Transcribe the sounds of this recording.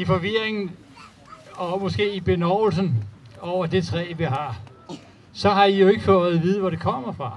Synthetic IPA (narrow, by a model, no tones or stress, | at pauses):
ifɒ̽ʋiɐeŋn̩ | ɒ̽mɒ̽sɡ̥e̝̰ːib̥e̝nɒʊl̩sn̩ɒʊ̰ɐd̥e̝t͡sʰʁɛ̰ːʋiɦɑ̈ | sɒ̽ɦɑ̈ijo̝e̝ɡ̥əfɔð̩ˠʋiːð̞ˠʋɒɾe̝kʰɒ̽m̰ɐfʁɑ̈